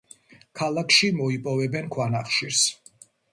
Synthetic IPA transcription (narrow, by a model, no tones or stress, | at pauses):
kʰalˠakʰʃimɔipʼɔvɛbɛnkʰwanaχʃiɾs